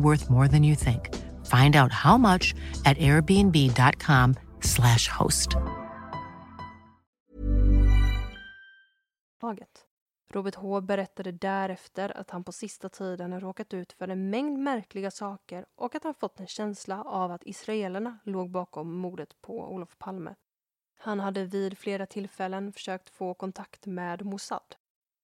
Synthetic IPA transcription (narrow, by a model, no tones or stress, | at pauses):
wɜ˞θmɔɹðɨ̃njɨθɪ̃ŋk | fãɪ̃ndaʊt̚haʊmʌt͡ʃɨɾɛɹbiɛ̃nbidɑt̚kʰɑ̃mslæʃho̰ʊst | ɑːɡət̪ | ɾʔuːbəʈɦoːbɛɾɛt̪ːad̪əd̪æɾɛft̪əɾa̰t̪hanpʰɔsɪst̪at̪ʰiːd̪ənɾoːkat̪ʉ̟ːt̪fœɾɛnmɛŋd̪mæɾklɪɡasɑːkəɾʔɔkat̪hanfɔt̪ːɛnɕɛnslaʔavat̪ɪ̰sɾaeːlaɳaloːɡ̚bɑːkɔmːuːɖ̪ət̪pʰɔ̰ṵːlɔfpʰalmə̰ | hanɦad̪ːəvɪːd̪fleːɾat̪ʰɪlfɛlːənfœ̥ʂøːk̚t̪foːkʰɔnt̪ʰakt̪meːd̪mʊsa̰d̪̥